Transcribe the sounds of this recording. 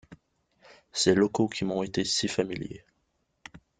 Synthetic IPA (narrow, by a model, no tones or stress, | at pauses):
sɛlɔkokʲʰimɔ̃et̪esifamiljḛ